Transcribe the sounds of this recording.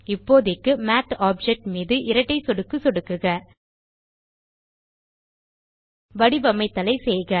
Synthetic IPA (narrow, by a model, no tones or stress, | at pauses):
ɪpːoːðɪkːɯmaːʈaːb̚d͡ʒɛk̚ʈmiːðɯʔɪɾɐʈːɐɪsɔɽɯkːɯsɔɽɯkːɯɣɐ | ʋɐɽɪbɐmɐɪt̪ːɐlɐɪsɛjɣɐ